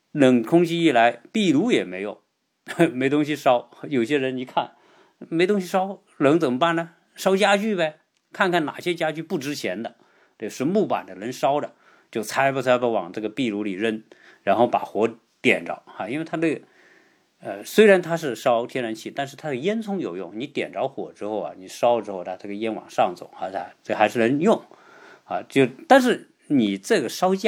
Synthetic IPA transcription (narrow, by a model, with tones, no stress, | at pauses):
lə˨˩ŋkʰʊ˥ŋt͡ɕi˥i˥˩la˧˥ɪpi˥˩lu˧˥jɛ˨˩me˧˥ɪjo˨˩˦ʊ | me˧˥ɪt̪ʊ˥ŋɕ̬i˧ʂɑ˥ʊ˧˩jo˨˩ʊɕjɛ˥ɻə˧˥ni˨˩kʰa˥˩n | me˧˥ɪt̪ʊ˥ŋɕi˧ʂɑ˥ʊ | lɤ˧˥ŋt͡sə˨˩mə˦pa˥˩nə˩ | ʂɑ˥ʊt͡ɕja˥t͡ɕy˥˩be˧ | kʰa˥˧nkʰa˥˩nna̰˨˩ɕjɛ˥t͡ɕja˥t͡ɕy˥˧pu˥˩ʈ͡ʂɻ̩˥t͡ɕʰjɛ˧˥nd̪ə˧ | t̪ə˥˧ʂɻ̩˥˧mu˥˩pa̰˨˩nd̪ə˦ɻə˧˥nʂɑ˥ʊd̪ə˨ | t͡ɕjo˥˩ʊt͡sʰa˧˥ɪpə˥˩t͡sʰa˧˥pa˥˩wɑ̰˨˩ŋʈ͡ʂɤ˥˩ɡə˩pi˥˩lu˧˥li˨˩ɻə˥˧n | ɻa˧˥nxo˥˩ʊpa̰˨˩xwɔ˧˥ | t̪jɛ̰˨˩nʈ͡ʂɑ̰˧˥ʊa˥˧i˥nwe˥˧ɪt̪ʰa˥nɤ˥˩ɡə˩ | ə˧swe˥ɪɻa˧˥nt̪ʰa˥ʂ̬ɻ̩˥˩ʂɑ˥ʊt̪ʰjɛ˥nɻa˧˥nt͡ɕʰi˥˩t̪a˥˧nʂ̬ɻ̩˥˧t̪ʰa˥d̪ə˩jɛ˥nt͡sʰʊ˥ŋjo˨˩ʊjʊ̰˥˩ŋni˧˥t̪jɛ̰˨˩nʈ͡ʂɑ˧˥ʊxwɔ̰˨˩ʈ͡ʂɻ̩˥xo˥˩ʊɐ̰˩ni˨˩ʂɑ˥ʊʈ͡ʂɻ̩˥xo˥˧ʊt̪ʰa˧˥t̪ʰa˥˩ɡə˩jɛ˥nwɑ̰˨˩ŋʂɑ˥˩ŋt͡sʊ̰˨˩˦ŋa̰˥˧a˥˧ʈ͡ʂɤ˥˩ɡə˩xa˧˥ɪʂɻ̩˥˩nə˧˥njʊ˥˩ŋ | a̰˥˧t͡ɕjo˥˩ʊt̪a˥˧nʂ̬ɻ̩˥˩ | ni˨˩ʈ͡ʂɤ˥˩ɡə˩ʂɑ˥ʊt͡ɕj